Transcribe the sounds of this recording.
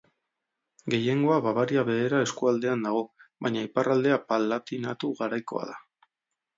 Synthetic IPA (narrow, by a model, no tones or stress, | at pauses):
ɡe̞je̞ŋɡo̞aβaβaɾiaβe̞eɾae̞skuald̪e̞and̪aɣ̞o̞βaɲaiparald̪e̞apalːat̪inat̪uɣaɾajko̞̰a̰ða